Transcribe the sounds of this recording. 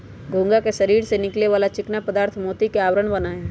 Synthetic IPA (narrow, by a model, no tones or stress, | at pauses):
ɡʱʊ̃ŋɡakeʃɐɾiːɾsenɪkleʋaːlat͡ʃɪknapɐd̪aːɾt̪ʰmoːt̪ikeaːʋɾəɽ̃bɐnaːẽ